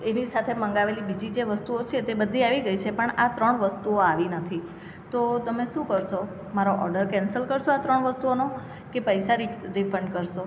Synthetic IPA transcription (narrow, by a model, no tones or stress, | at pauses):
enisat̪ʰeməŋɡaʋelibid͡ʒid͡ʒeʋəst̪uot͡ʃʰet̪ebəd̪ʱːiaʋiɡəit͡ʃʰepəɳat̪ɾəɳʋəst̪uoaʋinət̪ʰi | t̪ot̪əmeʃũkəɾʃo | maɾoʔɔɾɖəɾkɛnsəlkəɾʃoat̪ɾəɳʋəst̪uono | kepəjsaɾiɾifʰəɳɖkəɾʃo